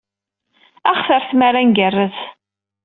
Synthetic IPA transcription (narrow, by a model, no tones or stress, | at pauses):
æχfəɾθmaɾanɡərːəθ